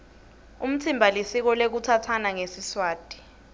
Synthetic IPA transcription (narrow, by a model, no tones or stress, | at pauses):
um̩tʰimbʱalisik̬ɔlek̬utʰatʰanaŋesiswaːd̥ʱi̥